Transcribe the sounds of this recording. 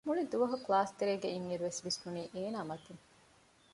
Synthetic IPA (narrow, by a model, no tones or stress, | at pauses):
muɭid̪uʋɐɦuklaːst̪eɾeːɡeiŋːiɾuʋesʋist̪uniːʔeːnaːmɐt̪iŋ